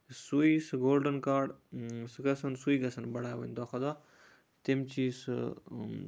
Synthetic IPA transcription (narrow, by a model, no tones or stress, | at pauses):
suisɡoːlɖənkaːɾɖsɨɡɐsɐnsuiːɡɐsɐnbɐɽaːjʋɐ̰nd̪oːxɐd̪aː | t̪imt͡ʃiːs